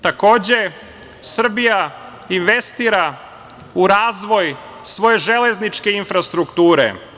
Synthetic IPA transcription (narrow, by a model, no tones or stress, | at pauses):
t̪ako̞ːd͡ʑe̞ | sr̩bija | inʋe̞st̪iːɾa | uɾaːzʋo̞j | sʋo̞je̞ʒele̞znit͡ʃke̞infɾast̪ɾukt̪uːɾḛ